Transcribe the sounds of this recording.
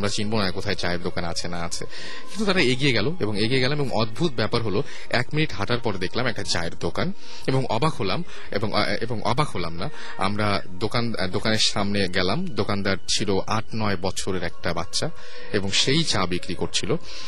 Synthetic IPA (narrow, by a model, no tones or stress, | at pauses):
amɾat͡ɕinbonaekot̪ʰaet͡ɕaed̪okanat͡ɕʰenaat͡ɕʰe | kint̪ut̪aɾaeɡijeɡɛloeboŋeɡieɡɛlameboŋʔɔd̪̚bʱut̪̚bɛpaɾɦolo | ɛkminiʈɦaʈaɾpɔɾed̪ekʰlamɛk̚ʈat͡ɕa̰eɾd̪okan | eboŋʔɔbakʰɦolam | ḛboŋ | eboŋʔɔ̰bakʰholamna | a̰mɾa | d̪okan | d̪okaneɾʃamneɡɛlamd̪okand̪aɾt͡ɕʰiloʔaʈ̚ʰnɔebɔt͡ɕʰoɾeɾɛk̚ʈabat̪ːʃa | eboŋʃejt͡ɕabikɾikoɾt͡ɕʰilo